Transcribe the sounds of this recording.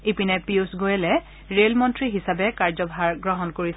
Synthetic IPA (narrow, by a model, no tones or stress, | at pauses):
ipinepiusɡojɛlɛ | ɹelmɔntɹiɦisabɛkaɹzɔbʱaɹɡɹɔɦɔnkoɹis